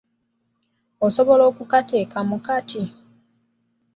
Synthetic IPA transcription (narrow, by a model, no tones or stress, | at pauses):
oso̞βo̞lo̞ːkukate̞ːkamukatʰi